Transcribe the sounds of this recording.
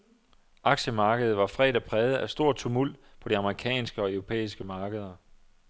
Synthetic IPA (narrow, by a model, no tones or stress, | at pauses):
ʔɑ̈ɡ̥ɕəmɑ̈ːɡ̥əð̞̩ˠʋɑ̈fʁɛ̰d̥æpʰʁɛːð̞ˠəʔæsd̥o̝ɐ̰t͡sʰumul̰d̥̚pʰɒ̽ɾ̥iɑ̈məʁikʰɛ̰ːnsɡ̥əɒ̽œʊʁo̝pʰḛːisɡ̥əmɑ̈ːɡ̥əð̞ˠɐ